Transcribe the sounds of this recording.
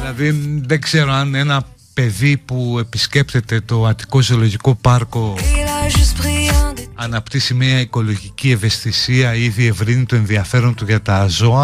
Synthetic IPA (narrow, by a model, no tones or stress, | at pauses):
ilɐðiðe̞ɡze̞ɾoɐne̞nɐ | pe̞ðipue̞pisce̞pt̪e̞t̪e̞t̪o̞ɐt̪i̥ko̞ziolo̞ʝiko̞pɐɾko̞aʒyspʁiɐnɐpt̪isimiɐiko̞lo̞ʝicie̞ve̞st̪isiɐiðie̞vɾinit̪o̞e̞nðiɐfe̞ɾo̞nt̪uʝɐt̪ɐzo̞ɐ